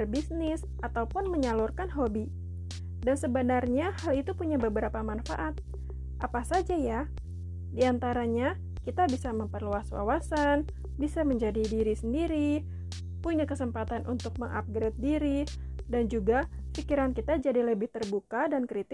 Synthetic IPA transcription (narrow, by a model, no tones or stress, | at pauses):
ərbisnɪs | ʔat̪awpʊnməɲalʊrkanɦobi | dansəbənarɲahalit̪upuɲabəbəɾapamanfa̰ʔat̪̚ | ʔapasad͡ʒaja | diant̪aɾaɲa | kit̪abisaməmpərluaswa̰wasan | bisaməɲd͡ʒadidiɾisəndiɾi | puɲakəsəmpat̪anʔunt̪ʊk̚məŋʔa̰p̚ɡɾɛt̪̚diɾi | dand͡ʒuɡafikiɾankit̪ad͡ʒadiləbɪht̪ərbukadankɾit̪ɪ